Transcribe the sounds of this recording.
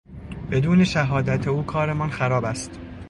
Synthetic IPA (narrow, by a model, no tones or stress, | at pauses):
b̥e̞d̪uːne̞ʃæɦɒːd̪æt̪ʰeuːkʰɒːɾe̞mɒnxæɾɒːbæst̪